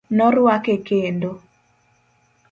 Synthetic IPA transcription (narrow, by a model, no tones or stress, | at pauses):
nɔɾwakekendo